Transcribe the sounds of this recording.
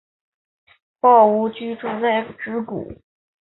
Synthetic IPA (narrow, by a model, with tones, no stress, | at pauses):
pɑ˥˩ʊu˧˥t͡ɕy˥ʈ͡ʂu˥˧t͡sa˥˩ɪʈ͡ʂɻ̩˧˥kṵ˨˩˦